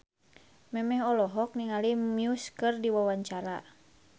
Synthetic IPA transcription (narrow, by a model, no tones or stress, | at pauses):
mɛmɛɦɔlɔɦɔk̚niŋalimjuskɨrdiwawaɲt͡ʃaɾa